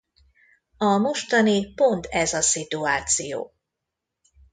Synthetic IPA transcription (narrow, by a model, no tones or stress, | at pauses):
ɒmo̞ʃt̪ɒnipo̞nt̪ʰɛzɒsit̪uaːt̪sijo̰ː